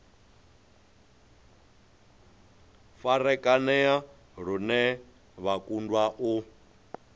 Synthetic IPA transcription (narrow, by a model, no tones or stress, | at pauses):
faɾɛkʼanɛa | ɾ̤unɛ | βakʼundwaʔu